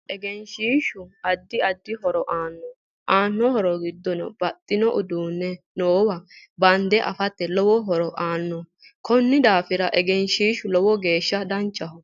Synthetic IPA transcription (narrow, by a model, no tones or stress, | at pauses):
ʔɛɡɛnʃiːʃʊɐd̪ːɪɐd̪ːɪɦɔɾɔʔaːnːɔ | ʔaːnːɔhɔɾɔɡɪd̪ːɔnɔ̰bɐt̪ʼːɪnɔʔʊd̪uːnːɛnoːwɐbɐnd̪ɛʔɐ̰fɐt̪ːɛlɔwɔɦɔɾɔʔaːnːɔ | kʰɔnːɪd̪aːfɪɾɐʔɛɡɛnʃiːʃʊlɔwɔɡe̞ːʃːɐd̪ɐnt͡ʃʼːɐhʊ